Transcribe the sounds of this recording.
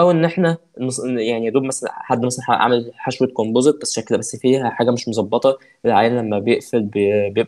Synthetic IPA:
ʔæwʔenːʔeħnæ | nesjaʕnid̪ouːmæsælæ̰ħad̪ːmæsælænħa̰ʔa̰melħaʃwet̪kombozet̪̚bæsːʃækːed̪æbæsːfiːhæħaːɡæmeʃmozˤɑbːɑt̪ˤɑ | ʔelʕaːjænlæmːæbejeʔfelbbejeb

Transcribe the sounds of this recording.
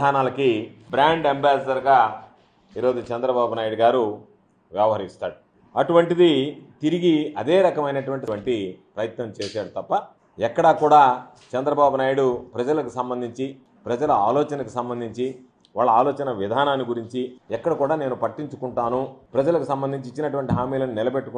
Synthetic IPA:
aːnaːlɐkibɾaːɳɖembaːsɐdɐɾɡaː | iːɾo̞ːd͡ʒut͡ʃɛnd̪ɾɐbaːbunaːjiɽuɡaːɾu | ʋjɛʋɐɦɐɾist̪aːɽu | ɐʈuʋɐɳʈid̪it̪iɾiɡiɐd̪eːɾɐkɐmɐjnɐʈuʋɐɳʈ̬iɐɳʈipɾɐjɐt̪nɐmt͡ʃeːʃaːɽut̪ɐpːɐ | ɛkːɐɽakuːɽaː | t͡ʃɛnd̪ɾɐbaːbunaːjuɽupɾɐd͡ʒɐlɐkusɐmbɐnd̪ʱiɲt͡ʃi | pɾɐd͡ʒɐlɐaːlɔːt͡ʃɐnɐkusɐmbɐnd̪ʱiɲt͡ʃi | ʋaːɭːɐaːlɔːt͡ʃɐnɐʋid̪ʱaːnaːnːiɡuɾiɲt͡ʃiɛkːɐɽɐkuːɽaːneːnupɐʈːiɲt͡ʃukuɳʈaːnupɾɐd͡ʒɐlɐkusɐmbɐnd̪ʱiɲt͡ʃit͡ʃːinɐʈuʋɐɳʈiɦaːmiːlɐnunɪlɐbeʈːuk

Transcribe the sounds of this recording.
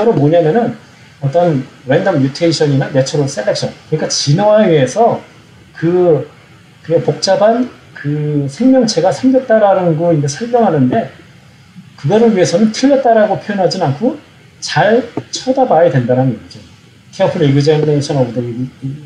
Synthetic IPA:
ʌɾomoɲamjʌnɯn | ʌt͈ʌnɾendʌmjutʰeiɕʰʌɲinane̞t͡ɕʰoɾos͈elːe̞k̚ɕ͈ʰʌnkɯɲik͈at͡ɕinʌaɥiɦe̞sʰʌ | kɯ | kɯpok̚t͡ɕ͈aban | kɯsʰe̞ŋmjʌŋt͡ɕʰe̞ɡasʰeŋɡet̚t͈aɾanɯnɡoind͡ʑesʰʌɭmjʌŋɦanɯnde̞ | kɯɡʌɾɯɭɥiɦe̞sʰʌnɯntʰɯʎːet̚t͈aɾaɡopʰjojʌnɦad͡ʑinankʰo | t͡ɕaɭt͡ɕʰʌdabaidwe̞ndaɾannd͡ʑo | kʰeʌpʰɯɾiɡɯd͡ʑeneɕʰʌnʌbdɯ

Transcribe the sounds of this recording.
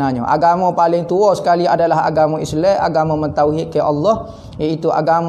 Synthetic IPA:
aɲaʔa̰ɡamapalɪŋt̪uɔsə̥kaliadalaɦa̰ɡamɔ̃islɛa̰ɡamɔ̃mənt̪awɦɪʔ̪̚kajʔɑlːɔh | jait̪ua̰ɡam

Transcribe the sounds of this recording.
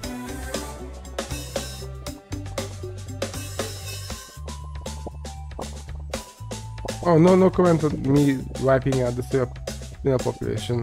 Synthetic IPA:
ononokɔmɛ̃nt̪ɔmiʋaɪpɪ̃ŋaʊt̪̚d̪əse | ɪ̃nəpɔpjṵlḛːʃə̃n

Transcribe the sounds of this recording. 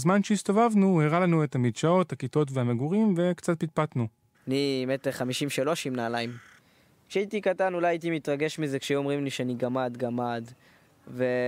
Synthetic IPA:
zmanʃeist̪o̞vavnueʁalanuet̪hamidʃao̞thakito̞t̬vehameɡuʁimve̞kt͡sat̪̚pit̪̚pat̪nu | animet̪eχamiʃimʃalo̞ʃimnaːlajm | kʃeait̪ikatanulajait̪̬imit̪ʁaɡe̞ʃmizekʃeomʁimliʃeaniɡamad̪ɡamad̪ | ve

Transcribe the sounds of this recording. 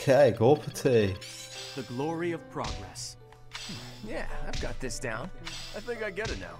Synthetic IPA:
kʰeɪɡɔpʰətʰi | ðɨɡlɔɹiʌv̥pʰɹ̥ɑ̰ɡɹɛ̰s | m̩jæ̰aɪvɡɑt̪̚ðɪsd̥ãʊ̃naɪθɪ̃ŋkaɪɡɛɾɨno̰ʊ

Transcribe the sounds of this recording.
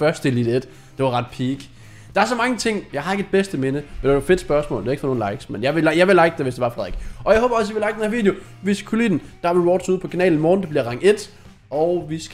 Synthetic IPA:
fɶɐsd̥elid̥ed̥ | d̥e̝ʋɑ̈ʁɑ̈d̥pʰiːɡ̥ | d̥ɑ̈æɐs̬ɒ̽mɑ̈ŋət͡sʰe̝ŋ̰jɑ̈ɪhɑ̈eɡəed̥̚b̥esd̥əme̝nəmndedfe̝d̥sb̥ɶɐsmɔ̰̽ːlde̝æeɡ̥fɒ̽no̝ːnlɑ̈ɪɡ̥smenjɑ̈ɪʋeljɑ̈ɪʋe̝lɑ̈ɪɡ̥̚d̥eʋesd̥e̝ʋɑ̈fʁɑðˠeɡ̥ʔɒ̽jɑɪɦɔːb̥ɐɒ̽siʋe̝lɑ̈ɪ̥d̥enhɐʋḭːd̥jo | ʋiskʰulḭd̥n̩d̥ɑ̈ʋeʋɒːd̥suðˠpʰɒ̽kʰænɛ̰ːln̩mɒːdn̩d̥ebliɐʁɑ̈ŋ̰e̝d̥ | ɒʊʋis

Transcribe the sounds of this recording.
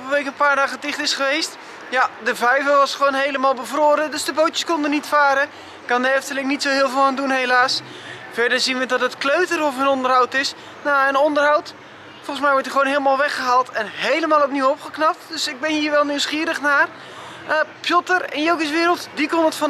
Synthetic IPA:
vəʋejkənpaːɹdaːɣədɪχtɪsχəʋejst | jadəvɛjvəʋɑsχəʋoːnɦejləmaːlˠbəvroːɾədɵsdəbowtjəskɔndənitfaːɾə | kɑndəɛftəlɪŋnitsowɦɪːlˠvɪlˠaːndunɦejlaːs | fɛɹdəɹzinʋədɔtətkløɥtərɔfənɔndərɦawtɪs | naənɔndərɦawt | fɔlˠəsmɛjʋɔɹtəχʋoːnɦeːləmaːlˠʋɛχəɦaːlˠtʰɛnɦejləmaːlˠɔpniwɔpχəknɑp̚tdøsɪɡ̚bɛnhiːɹʋɛlˠnywsχiːɾəχnaːr | əpjɔtərɪ̰njowkəsʋɪːɾəlˠtdikɔnətfɔ

